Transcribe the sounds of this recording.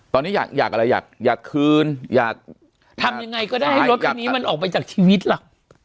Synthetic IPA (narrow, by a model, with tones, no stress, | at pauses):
t̪ɔː˧nːiː˦˥ja̰ː˨˩k̚jaː˨˩k̚ʔa˧ɾa˧ja̰ː˨˩k̚jaː˨˩kʰːɯː˧njaː˨˩k̚ | t̪ʰa˧mja˧ŋːa˧jkɔ˥˩daː˥˩jha˥˩ɾo˦˥t̪̚kːnːi˦˧ma˧nʔɔː˨˩k̚pa˧jt͡ɕaː˨˩k̚t͡ɕʰiː˧wi˦˥t̪̚la˨˩k̚